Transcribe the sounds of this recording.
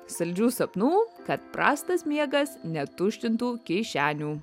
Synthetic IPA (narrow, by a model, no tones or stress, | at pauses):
sɐlʲd͡ʒʲuːsɐpnuːkɐt̪pɾɑ̰ːst̪ɐsmʲiɛɡɐsnʲɛt̪ʊʃʲt̪ʲɪnt̪uːkʲɛɪʃʲæːnʲuː